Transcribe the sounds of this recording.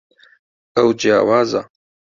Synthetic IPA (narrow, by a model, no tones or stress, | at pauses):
ɐwd͡ʒija̰ːwaːza